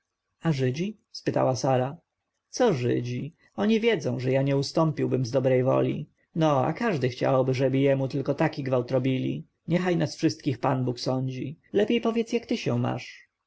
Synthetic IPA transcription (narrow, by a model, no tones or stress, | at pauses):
aʐɘd͡ʑi | spɘt̪a̰wasaɾa | t̪sɔʐɘ̰d͡ʑi | ɔɲivʲjɛd̪zɔ̃w̃ʐɛjaɲɛust̪ɔmpʲiwbɘmzd̪ɔbɾɛjvɔ̰lʲḭ | nɔa̰kaʐd̪ɘxt͡ɕa̰wɔbɘʐɛbɘjɛmut̪ɘlkɔt̪akʲiɡvawt̪ɾɔbʲilʲḭ | ɲɛxajnasfʂɘst̪̚kʲixpanbuksɔɲd͡ʑilɛpʲjejpɔvʲjɛt̪sjakt̪ɘɕɛ̰wma̰ʂ